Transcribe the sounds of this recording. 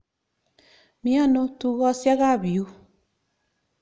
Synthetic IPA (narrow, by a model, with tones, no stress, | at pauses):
mi˦a˦no˦tu˦ɣɔ˦sja˦ɣa˦˨βi˨u˦